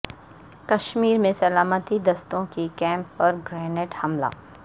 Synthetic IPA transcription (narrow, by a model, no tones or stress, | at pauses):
kɐʃmiːɾmẽsɐlaːmət̪id̪ɐst̪õkikɛ̃ːmpːɐɾɡɾɛːnɪʈhɐmla̰ː